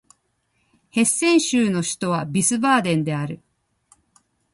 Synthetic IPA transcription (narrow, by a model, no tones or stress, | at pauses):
he̞sːẽ̞ɰ̃ɕɨːno̞ɕi̥t̪o̞βabisɨbaːd̪ẽ̞nd̪e̞aɾɯ̟